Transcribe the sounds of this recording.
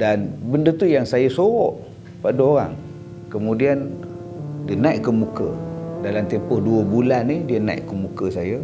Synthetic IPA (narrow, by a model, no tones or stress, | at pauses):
danbəndət̪ujaŋsajəsoɔʔ | padəoɾa̰ŋ | kəmudian | diənajʔkəmukə̰dalamt̪ɛmpʊhduəbulanidiəna̰jʔkəmukəsajə